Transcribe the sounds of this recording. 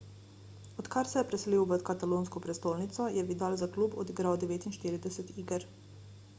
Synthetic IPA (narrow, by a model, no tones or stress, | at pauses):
ɔt̪kaɾsɛjɛpɾɛsliwʋət̪kat̪aloːnskɔpɾɛst̪oːlnit̪sɔjɛʋid̪alzakluːbɔ̰d̪iɡɾawd̪ɛʋeːt̪inʃt̪iːɾid̪ɛsɛt̪iːɡəɾ